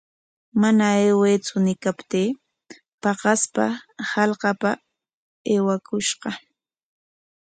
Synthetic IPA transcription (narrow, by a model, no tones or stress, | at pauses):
manaeːweːt͡sʊnɪkapt̪iː | pɑqɑspa̰hɑlqɑpa | eːwakʊʃɢɑ